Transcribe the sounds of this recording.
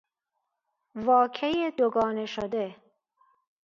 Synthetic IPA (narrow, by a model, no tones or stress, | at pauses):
vɒːkʰejed̪oɡɒːneʃod̪e